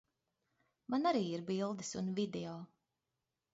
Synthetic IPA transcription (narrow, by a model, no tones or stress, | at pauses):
manaɾiːiɾbilˠd̪ɨsunvid̪eɔː